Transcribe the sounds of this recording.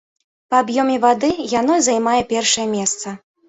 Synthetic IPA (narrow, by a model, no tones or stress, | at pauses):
pɐabjɔmʲɛvad̪ɨjanɔzajmajɛpʲɛrʂɐjɛmʲɛst̪sɐ